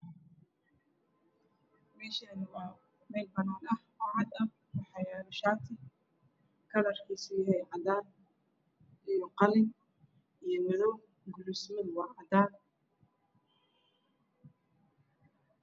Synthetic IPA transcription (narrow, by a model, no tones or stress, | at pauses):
mɛːʃɐnw | mɛjlbɐnaːnɐhwɑʕɑd̪ɐ | wɑħɑjɾʊʃaːt̪ʰɪ | kʰɐðɐrkʰiːsɪjɦɛjʕɑd̪aːn | ʔijɔqɑlɪŋ | ʔijɞwɐðɔw | ɡʊlismɐðwɑʕɑd̪aːn